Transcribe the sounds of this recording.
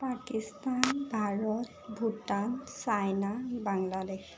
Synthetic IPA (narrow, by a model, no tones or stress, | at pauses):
pakistanbʱaɹɔt̚ | bʱutansajnabaŋladex